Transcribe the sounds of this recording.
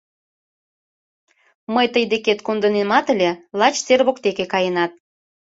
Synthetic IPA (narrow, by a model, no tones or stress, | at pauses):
məjt̪əjd̪eket̪kond̪ənemɑt̪əlʲelɑt͡ɕt͡serβokt̪ekekɑjenɑt̪̚